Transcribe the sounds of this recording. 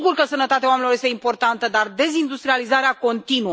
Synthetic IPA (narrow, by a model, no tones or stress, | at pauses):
ɡurkəsənət̪at̪eawamenʲilojest̪eimpo̞rt̪ant̪əd̪ard̪e̞zind̪ust̪ɾializaɾeako̞nt̪inu